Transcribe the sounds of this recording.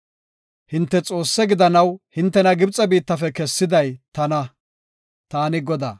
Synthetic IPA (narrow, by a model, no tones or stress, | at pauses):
hɪnt̪ːɛt͡sʼo̞ːsːɛɡɪd̪ɐnɐwhɪnt̪ːɛnɐɡɪbt͡sʼɐbiːt̪ːɐfɛkɛsːɪd̪ɐjt̪ɐnɐ | t̪aːnɪɡɔd̪a̰ː